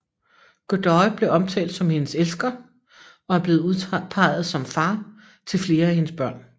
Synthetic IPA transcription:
ɡ̥od̥ɒɪb̥le̝ɒ̽mt͡sʰɛ̰ːld̥sɒ̽mhe̝nəselsɡ̥ɐ | ɒ̽æɐb̥le̝ːð̩ˠuðˠʰpʰɑ̈ɪ̰ð̞̩ˠsɒ̽mfɑ̈ː | t͡sʰe̝lfle̝ːɐæhe̝nəsb̥ɶɐ̰n

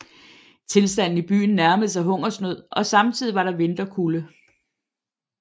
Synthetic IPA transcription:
t͡sʰe̝lsd̥æn̰n̩ib̥y̰ːn̩ːæɐməð̩ˠs̬ɑɦɔ̽ŋ̰ɐsnøð̰ˠʔɒ̽sɑ̈mt͡sʰið̞̰ˠiʋɑ̈ɾɑ̈ʋe̝nd̥ɐkʰulə

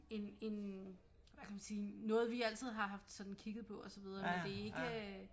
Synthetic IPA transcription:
e̝ne̝n | ʋækʰæmænsiːnɔ̽ːð̞̩ˠʋiæl̰t͡sʰið̰ˠɦɑ̈ɦɑ̈fd̥sɒ̽d̥n̩kʰiɡ̥ð̩ˠpʰɒ̽ɒ̽sɒʋið̞ˠɐmend̥e̝æe̝ɡɡ̥ə

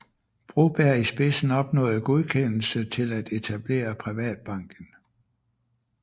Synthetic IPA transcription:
b̥ʁob̥æɐisb̥e̝sn̩ɒ̽b̥nɔ̰̽ːð̩ˠɡ̥o̝ð̞ˠkʰen̰l̩sət͡sʰe̝læd̥e̝t͡sʰæb̥le̝̰ːɐpʰʁiʋɛ̰ːd̥̚b̥ɑ̈ŋ̰ɡ̥ən̩

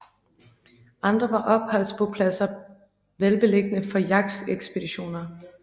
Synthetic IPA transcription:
ʔɑ̈nd̥ʁɐʋɑ̈ʔɒ̽b̥̚hɒl̰spʰɒ̽pʰlæsɐ | ʋelb̥e̝le̝ɡ̥ənəfɒ̽jɑ̈ɡ̥seɡ̥sb̥e̝d̥iɕo̝̰ːnɐ

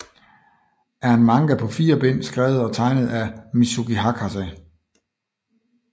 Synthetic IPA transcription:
ʔæɐhænmɑ̈ŋɡ̥æpʰɒ̽fiːɐb̥en̰sɡ̥ʁɛ̰ːʊð̞̩ˠɒ̽t͡sʰɑ̈ɪnəð̞̩ˠæmisuɡ̥iɦɑ̈kʰɑsɛ

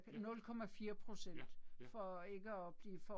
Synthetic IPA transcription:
ɡ̥nɔ̽lkʰɒ̽mæfiːɐpʰʁo̝sen̰d̥fɒe̝ɡ̥əɒb̥liːfɒ

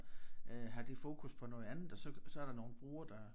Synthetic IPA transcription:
øɦɑ̈d̥ifo̝ːkʰuspʰɒ̽nɔ̽ːð̩ˠænð̩ˠɒ̽sɒ̽sɒ̽æɐɾ̥ɑ̈no̝ːn̩b̥ʁuːɐd̥ɑ

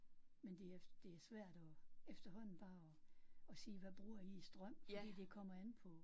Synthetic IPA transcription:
mend̥e̝æd̥e̝æɐsʋæɐ̰d̥ɒ̽efd̥ɐɦɒ̽n̰n̩b̥ɑ̈ːɒɒ̽siːʋæb̥ʁuɐiːsd̥ʁɶm̰fɒd̥ḭːd̥e̝kʰɒ̽m̰ɐænpʰɒ̽

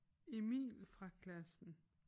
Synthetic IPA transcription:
e̝mḭːlfʁɑ̈kʰlæsn̩

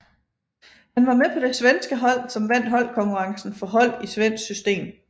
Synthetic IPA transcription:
hænʋɑ̈mepʰɒ̽d̥e̝sʋensɡ̥əɦɒ̽l̰sɒ̽mʋæn̰d̥ɦɒ̽l̰kʰɒ̽ŋkʰuʁɑ̈ŋsn̩fɒ̽ɦɒ̽l̰isʋen̰sɡ̥sysd̥e̝̰ːm

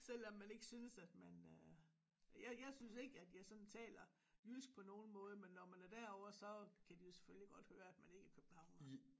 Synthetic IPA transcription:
sel̰ɒ̽mːæne̝ɡ̥əsyːnəsæd̥mænø | jɑɪjɑ̈ɪsynse̝ɡ̥əæd̥jɑ̈ɪsɒ̽nt͡sʰɛ̰ːlɐ | jysɡ̥̚pʰɒ̽no̝ːn̩mɔ̽ːð̞ˠəmenːɒmænæɐd̥æɐɒʊ̰ɐsɒ̽kʰæd̥ijo̝se̥følliɡ̥ɒ̽d̥høːɐæd̥mæne̝ɡ̥æɐkʰøb̥̚n̩hɑ̈ʊn

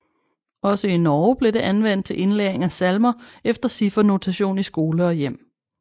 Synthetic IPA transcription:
ɒ̽səinɒːb̥le̝d̥e̝ʔænʋen̰d̥̚t͡sʰe̝ʔe̝nlḛːɐeŋæsælmɐefd̥ɐsifɒno̝t͡sʰæɕo̝̰ːnisɡ̥o̝ːləɒ̽jem̰

